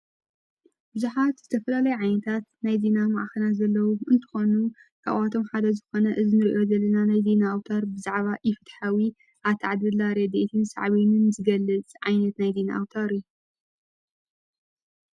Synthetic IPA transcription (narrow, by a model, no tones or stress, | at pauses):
bɨzuħat̪z̥ɨt̪ʰɐfɐlalɐjuʕajnɐt̪ʰat̪najzenamaʕxɐnazɐlːɐwuʔɨnt̪ʰɨ̥xo̞nu | kʰa̰ʔat̪ʰo̞mħad̪ɐzɨxo̞nɐʔɨzinɨɾiʔjo̞zɐlːɐnanajze̞naawt̪ʰaɾbɨzaʕβaʔɪfɨt̪ħawi | ʔaβt̪ʰaʕad̪ɨlːaɾed̪et̪ʰinsa̰ʕβinɨnzɨɡɐlːɨt͡sʼʕa̰jnɐt̪najzena̰ʔawt̪ʰaɾjuu